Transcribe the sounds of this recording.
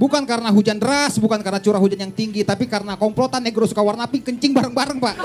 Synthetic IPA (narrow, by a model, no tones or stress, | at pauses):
bukankaɾənaɦud͡ʒandəɾasbukankaɾənat͡ʃuɾaɦud͡ʒanjaŋt̪iŋɡit̪apikaɾənakɔmplot̪anːeɡɾosu̥kawarnapɪŋkəɲt͡ʃɪŋbaɾəŋbaɾəŋpaʔ